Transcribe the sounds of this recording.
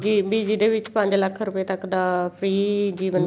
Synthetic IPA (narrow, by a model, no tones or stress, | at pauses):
d͡ʒiːbiːd͡ʒid̪eːʋɪt͡ʃpə̃ɲd͡ʒləkʰɾʊpeːt̪əkd̪aːpʰɾiːd͡ʒiːʋən